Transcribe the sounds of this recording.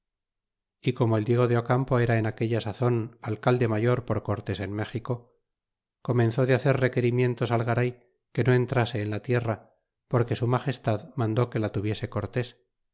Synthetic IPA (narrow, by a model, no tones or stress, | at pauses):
iko̞moeld̪je̞ɣ̞o̞ðeokampo̞e̞ɾaenake̞ʎasaθo̞nalkald̪e̞maʝo̞ɾpo̞ɾko̞ɾt̪e̞se̞nme̞xiko̞ | ko̞mẽ̞nθo̞ðeaθe̞ɾre̞ke̞ɾimje̞nt̪o̞salɣaɾaj | ke̞no̞e̞nt̪ɾase̞ːnlat̪je̞ra | po̞ɾke̞sumaχe̞st̪aðmãnd̪o̞ke̞lat̪uβje̞se̞ko̞ɾt̪e̞s